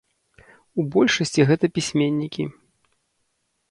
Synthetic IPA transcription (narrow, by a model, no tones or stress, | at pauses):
ubɔlʲʂɐsʲt͡sʲiɣɛt̪ɐpʲisʲmʲenʲːikʲi